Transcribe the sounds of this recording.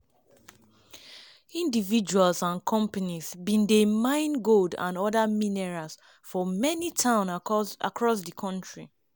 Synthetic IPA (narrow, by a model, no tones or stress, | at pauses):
ĩndivid͡ʒualsãnkʰɔ̃mpanizbĩndemãɪ̃nɡoldã̰nɔðaminɛɹas | fɔmɛnitʰãʊ̃na̰kʰɹɔs̬dəkʰɔ̃nt͡ʃɹi